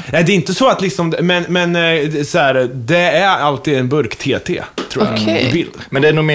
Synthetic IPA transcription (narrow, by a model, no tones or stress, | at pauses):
nɛd̪ɛɾɪnt̪əsɔat̪lɪksɔmmɛnmɛnsɔhæɾd̪ɛæɾalt̪iːd̪ɛnbɵɾkt̪ʰeːt̪ʰḛːt̪ʰɾuːj̰a̰kʰɛbɪld̪mɛnd̪ɛænuːme